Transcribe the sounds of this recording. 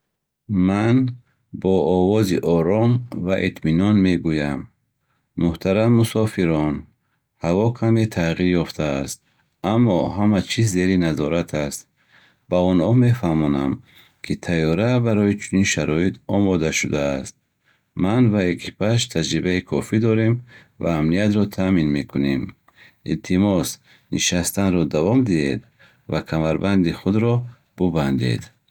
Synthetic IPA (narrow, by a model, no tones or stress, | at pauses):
man | bɔːvɔziʔɔɾɔmvaʔit̪minɔnme̞ɡujamː | uht̪ʰaɾamːusɔfiɾɔn | havɔkʰamet̪ʰaʁiɾjɔft̪ʰaːst̪̚ | amːɔhamat͡ʃʰizːe̞ɾinazɔɾat̪ʰast̪ | b̥aɔnhɔme̞fahmɔna̰m | kʰit̪ʰajɔɾabaɾɔit͡ʃʰuninʃaɾɔit̪ʰɔmɔd̪aʃud̪aːst̪̚ | manvaekʰipʰaʃt̪ʰad͡ʒɾibaikʰɔfid̪ɔɾem | va̰ːmnijat̪ɾɔt̪ʰaminme̞kʰune̞m | ḭlt̪ʰimɔs | niʃast̪anɾɔd̪avɔmd̪iḛd̪ | vakʰamaɾband̪iχud̪ɾɔ | b̥uband̪ḛd̪